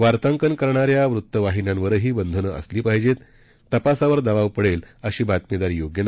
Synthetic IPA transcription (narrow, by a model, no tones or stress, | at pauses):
ʋaɾt̪əŋkənkəɾɳaɾjaʋɾut̪ːəʋaɦinjãnʋəɾɦiːbənd̪ʱənəːʔə̰sliːpaɦid͡ʑet̪ː | əpasaʋəɾd̪əʋaʋpəɽeləɕiːbat̪med̪aɾiːjoɡjən